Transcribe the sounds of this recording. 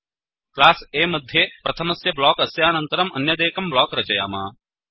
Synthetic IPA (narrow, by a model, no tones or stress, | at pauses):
klaːseːmɐd̪ʱːjepɾɐt̪ʰɐmɐsjɐblɔːkɐsjaːnɐ̃nt̪ɐɾɐmɐ̰njɐd̪eːkɐmblɔːkɾɐt͡ʃɐja̰ːma̰ː